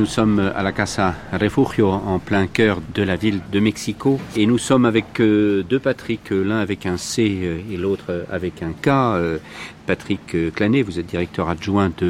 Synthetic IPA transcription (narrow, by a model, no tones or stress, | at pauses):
nusɔma̰lakasaʁefuʁjoɑ̃plɛ̃kœʁd̪əlavild̪əmɛksikoenusɔmavɛkd̪øpat̪χiklɛ̃avɛkɛ̃seelot̪χa̰vɛkɛ̃kaøpat̪χikklanevuzɛt̪̚d̪iʁɛk̚t̪œʁaʒwɛ̃d̪ə